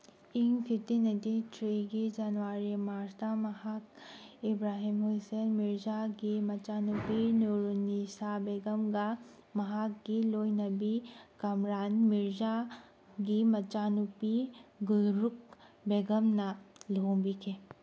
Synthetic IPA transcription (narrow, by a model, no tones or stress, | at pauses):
iŋpʰit̪inɐt̪itʰɾeɡid͡ʒanʋaɾimaɾsd̪amɐhak̚ibɾaɦimɦusenmiɾd͡ʒaɡimɐt͡ʃanupinuɾnisabeɡɐmɡa | mɐɦakɡilojnɐbikɐmɾanmiɾd͡ʒa | ɡimɐt͡ʃanupiɡulɾukbeɡɐmnɐlobikʰe